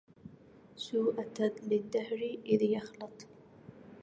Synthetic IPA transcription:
suːʔat̪alɪd̪ːahɾiʔɪðjɑxlɨt̪ˤ

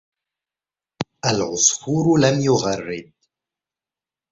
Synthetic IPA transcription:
ʔalʕʊsˤhuːɾʊlamjʊɣarˤːɪd̪̚

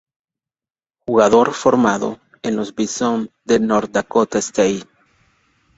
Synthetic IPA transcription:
xuɣaðoɾfoɾmaðo̰ | ẽnozβison | d̪enoɾd̪akot̪aest̪ai

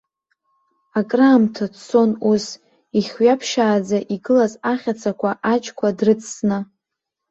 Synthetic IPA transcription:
akʼraːmtʰat͡sʰo̞nus | iχʲɥapʰʃaːd͡zaʔiɡɨlazaχʲat͡sʰakʷʰaʔat͡ʃʼkʷʰadrɨt͡sʼʰsna

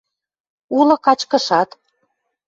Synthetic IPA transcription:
ulɤ̆kɑt͡ɕkə̆ʃɑt̪

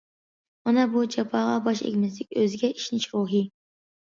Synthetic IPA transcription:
mɑnɑbud͡ʒɑpʰɑːʁɑbɑʃḛkʲmɪs̬lɪkʲøzɪɡʲɛʔiʃnɪʃɾuːɦɨ

